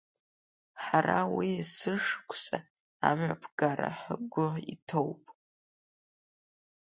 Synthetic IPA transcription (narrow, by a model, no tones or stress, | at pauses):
ħarawisɨʂkʷʰʼsʼa | amʕapʰɡaɾa̰ħəɡʷʊitʰowpʼ